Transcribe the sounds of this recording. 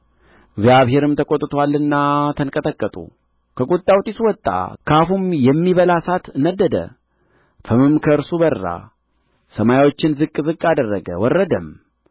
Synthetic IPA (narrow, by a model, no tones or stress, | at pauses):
ɪɡzjaβɦe̞ɾɨmt̪ʰəkʼot̪ʼːɨt̪ʰwalːɨnːat̪ʰəŋkʼət̪ʼəkʼːət̪ʼṵ | kʰəkʼut̪ʼːawt̪ʼiswɔt̪ʼːa̰kʰafumjɛmːiβəlasat̪ɨnːəd̪ːəd̪ə̰ | fəmɨmkʰəɨɾsubərːa̰ | səmajawo̞t͡ʃːɪnzɨkʼːzɨkʼːad̪ərːəɡəwɔrːəd̪əm